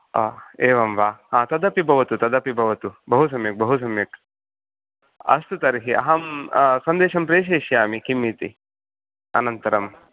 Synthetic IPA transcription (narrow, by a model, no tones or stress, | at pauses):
ɐ̰ːeːʋɐmʋaːɦaːt̪ɐd̪ɐpibʱɐʋɐt̪ut̪ɐd̪ɐpibʱɐʋɐt̪ubɐɦus̬ɐmjek̚bɐɦus̬ɐmjɐk | ɐ̰st̪ut̪ɐɾɦiʔɐ̰ɦɐmsɐnd̪eːʃɐmpɾeːʃ̬eːʃjaːmikimːit̪ḭ | ɐ̰nɐnt̪ɐɾɐm